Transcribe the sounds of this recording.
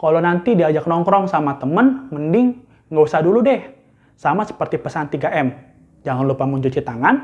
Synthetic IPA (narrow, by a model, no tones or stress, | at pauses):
kalonant̪idiad͡ʒak̚nɔŋkɾɔŋsamat̪əmənməndɪŋː | ɡosaduludɛh | samasə̥pərt̪ipəsant̪iɡaʔɛm | d͡ʒaŋanlupamuɲt͡ʃut͡ʃit̪aŋan